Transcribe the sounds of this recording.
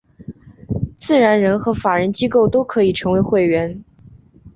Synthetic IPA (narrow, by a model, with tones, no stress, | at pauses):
t͡sɹ̩˥˩ɻa˧˥nɻə˧˥nxɤ˧˥fa˨˩ɻə˧˥nt͡ɕi˥ko˥˩ʊt̪o˥ʊkʰɤ˧˥i˨˩ʈ͡ʂʰɤ˧˥ŋwe˧˥ɪxwe˥˩ɪɥɛ˧˥n